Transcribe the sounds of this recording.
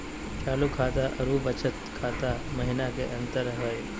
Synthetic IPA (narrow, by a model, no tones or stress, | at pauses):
kʰaːlukʰat̪aʔɐɾubət͡ʃət̪̚kʰaːt̪aməɦinakeʔɐ̃nt̪əɾɦəj